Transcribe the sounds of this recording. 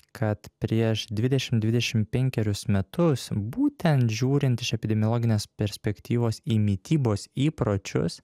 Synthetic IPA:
kʰɐt̪pʲɾʲiɛʃd̪ʲʋʲɪd̪ʲɛʃʲɪmd̪ʲʋʲɪd̪ʲɛʃʲɪmpʲɛŋʲkʲɛɾʲʊsmʲɛt̪ʊsbuːt̪ʲɛnt̪ʒʲuːɾʲɪnt̪ɪʃɛpʲɪd̪ʲɛmʲɪjolˠɔɡʲɪnʲeːspʲɛɾʲsʲpʲɛkʲt̪ʲiːʋoːsiːmʲit̪ʲiːboːsiːpɾoːt͡ʃʲʊ̰s

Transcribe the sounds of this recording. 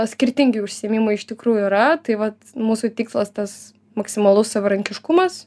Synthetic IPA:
sʲkʲɪɾʲt̪ʲɪŋʲɡʲɪʊʃʲsʲiɛmʲimɐɪɪʃʲt̪ʲɪkɾuːjʊiːɾɐt̪ɐɪʋɐt̪muːsuːt̪ʲiːkslˠɐst̪ɐs | mɐksʲɪmɐlˠʊssɐʋɐɾɐŋʲkʲɪʃkʊmɐs

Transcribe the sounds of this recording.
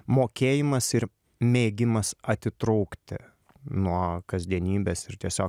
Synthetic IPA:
moːkʲeːjɪmɐsɪɾ | mʲeːɡʲɪmɐsɐt̪ʲɪt̪ɾuʊkt̪ʲɪ | nuɔkɐzʲd̪ʲiɛnʲiːbʲeːsɪɾt̪ʲiɛsʲoːk

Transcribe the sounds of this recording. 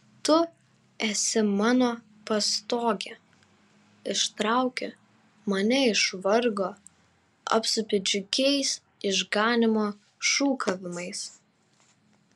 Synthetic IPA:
t̪ʊ | ɛsʲɪmɑːnoː | pɐst̪oːɡʲɛ | ɪʃt̪ɾɑˑʊkʲɛ | mɐnʲɛɪʃʋɐɾɡoː | ɐ̰pʲsʊpʲɪd͡ʒʲʊkʲɛɪs | ɪʒɡɑːnʲɪmoː | ʃuːkʰɐʋʲɪmɐɪs

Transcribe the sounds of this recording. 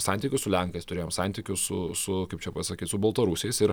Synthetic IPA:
sɑnʲt̪ʲiːkʲʊssʊlʲæŋkɐɪst̪ʊɾʲeːjomsɑnʲt̪ʲikʲʊssʊsʊkɐɪpt͡ʃʲɛpɐsɐkʲiːt̪sʊbɐlˠt̪ɐɾusʲjɛɪsɪɾ

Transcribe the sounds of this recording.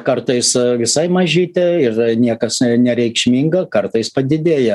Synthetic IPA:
kɐrt̪ɐɪsʋʲɪsɐɪmɐʒʲiːt̪ʲɛɪrnʲiɛkɐsnʲɛɾʲɛɪkʃʲmʲiːŋɡɐkɐrt̪ɐɪspɐd̪ʲɪd̪ʲeːjɛ

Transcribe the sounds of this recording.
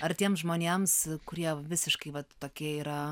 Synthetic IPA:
ɐɾt̪ʲiɛmsʒmoːnʲemskʊɾʲiɛʋʲɪsʲɪʃkɐɪʋɐt̪t̪oːkʲiɛiːɾɐ

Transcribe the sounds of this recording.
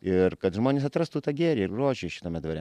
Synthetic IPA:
ɪrkɐt̪ʒmoːnʲeːs̬ɐt̪ɾɐst̪uːt̪ɑːɡʲeːɾʲeːɪrroːʒʲɛʃʲɪt̪ɐːmʲɛd̪ʋɐɾʲɛ

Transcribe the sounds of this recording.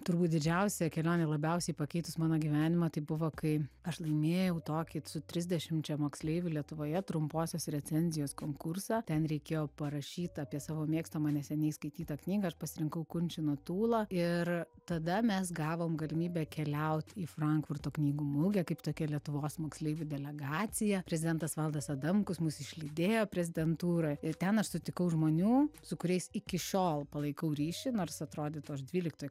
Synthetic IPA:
t̪ʊɾbuːt̪̚d̪ʲɪd͡ʒʲɛʊsʲɛkʲɛlʲoːnʲɛlˠɐbʲɛʊsʲɛɪpɐkʲɛɪt̪ʊsmɑːnoːɡʲiʋʲæːnʲɪmɐt̪ɐɪbʊʋoːkɐɪɐʃlˠɐɪmʲeːjɛʊt̪oːkʲɪsʊt̪ʲɾʲɪzʲd̪ʲɛʃʲɪmt͡ʃʲɛmoːksʲlʲeɪʋʲʊlʲiɛt̪ʊʋoːjɛt̪ɾʊmpoːsʲoːsɾʲɛt͡sʲɛnʲzʲɪjoːskoːŋkʊrsɑːt̪ʲɛnɾʲɛɪkʲeːjoːpɐɾɐʃʲiːt̪ɑːpʲiɛsɑːʋoːmʲeɛkst̪ɐmɑːnʲɛsʲɛnʲɛɪskɐɪt̪ʲiːt̪ɑːknʲiːɡɐɐʃpɐsʲɪɾʲɪŋkɐʊkʊnʲt͡ʃʲɪnuɔt̪uːlˠɐɪr | t̪ɐd̪ɐmʲɛsɡɑːʋoːmɡɐlʲɪmʲiːbʲɛkʲɛlʲɛʊt̪ʲiːfrɐŋkfʊrt̪oːknʲiːɡuːmʊɡʲɛkɐɪpt̪oːkʲɛlʲiɛt̪ʊʋoːsmoːksʲlʲeɪʋʲʊd̪ʲɛlʲɛɡɑːt͡s̪ʲɪjɛpʲɾʲɛzʲɪd̪ʲɛnt̪ɐsʋɐlˠd̪ɐsɐd̪ɐmkʊsmʊsɪʃʲlʲid̪ʲeːjoːpʲɾʲɛzʲɪd̪ʲɛnt̪uːɾoːɪrt̪ʲɛnɐʃsʊt̪ʲɪkɐʊʒmoːnʲuːsʊkʊɾʲɛɪsɪkʲɪʃʲoːlˠpɐlˠɐɪkɐʊɾʲiːʃʲɪnoːrsɐt̪ɾoːd̪ʲɪːt̪uɐʃd̪ʲʋʲiːlʲɪk̚t̪oːj

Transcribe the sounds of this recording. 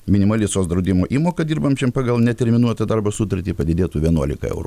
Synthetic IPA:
mʲɪnʲɪmɐlʲɪsoːsd̪ɾɐʊd̪ʲɪmoːʔiːmoːkɐd̪ʲiːɾbɐmt͡ʃʲɛmpɑːɡɐlˠnʲɛt̪ʲɛɾʲmʲɪnuɔt̪ɐd̪ɐɾbɐsut̪ɐɾʲt̪ʲiːpɐd̪ʲɪd̪ʲeːt̪uːʋʲiɛnuɔlʲɪ̰kɐ̰ɛ̰ʊɾu

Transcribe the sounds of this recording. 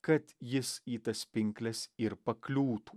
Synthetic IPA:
kɐt̪jɪsiːt̪ɐspʲɪŋʲklʲɛsiɾpɐklʲuːt̪u̥

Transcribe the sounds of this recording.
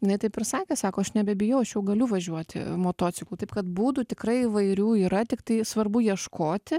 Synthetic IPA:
jɪnɐɪt̪ɐɪpɪrsɑːkʲeːsɑːkoːɐʃnʲɛbʲɛbʲɪjɛʊɐʃjɛʊɡɐlʲʊʋɐʒʲuɔt̪ʲɪ̰moːt̪oːt͡ssʲɪklˠuːt̪ɐɪpkɐt̪buːd̪ʊt̪ʲɪkɾɐɪiʋɐɪɾʲuːiːɾɐt̪ʲɪkt̪ɐɪsʋɐrbʊjiɛʃkoːt̪ʲɪ

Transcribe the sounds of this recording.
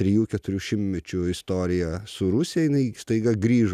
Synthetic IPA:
t̪ʲɾʲɛjuːkʲɛt̪ʊɾʲuːʃʲɪmmʲɛt͡ʃʲʊɪst̪oːɾʲɪjɛsʊɾʊsʲɪjɛjɪnɐɪst̪ɐɪɡɐɡɾʲiːʒ

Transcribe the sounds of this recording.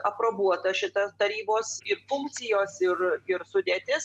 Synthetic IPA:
ɐpɾoːbuɔt̪ɐʃʲɪt̪ɐt̪ɐɾʲiːboːsɪɾfʊŋkt̪t͡s̪ʲɪjoːsɪrɪɾsʊd̪ʲeːt̪ʲɪs

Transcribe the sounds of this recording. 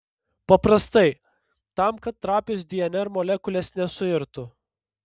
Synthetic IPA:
pɐpɾɐst̪ɐɪ | t̪ɐmkɐt̪ːɾɑːpʲʊsd̪ʲɪɛnʲɛɾmoːlʲɛkʊlʲeːsnʲɛsʊɪɾt̪ʊ

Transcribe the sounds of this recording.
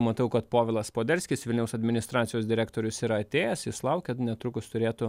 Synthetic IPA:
mɐt̪ɐʊkɐt̪poːʋʲɛlˠɐspoːd̪ʲɛɾʲsʲkʲɪsʋʲɪlʲnʲɛʊsɐd̪ʲmʲɪnʲɪst̪ɾɑːt̪sʲɪjoːsd̪ʲɪɾʲæːkt̪oːɾʲʊsiːɾɐɐt̪ʲeːjɛsjɪslˠɐʊkʲɛnʲɛt̪ɾʊkʊst̪ʊɾʲeːt̪ʊ

